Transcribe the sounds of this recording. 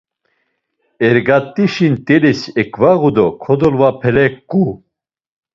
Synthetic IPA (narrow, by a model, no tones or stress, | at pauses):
ɛɾɡat̪ʼːiʃint̪ʼɛlisɛkʰvaɣud̪ɔkʰɔd̪ɔlvapʰɛlɛkʼːu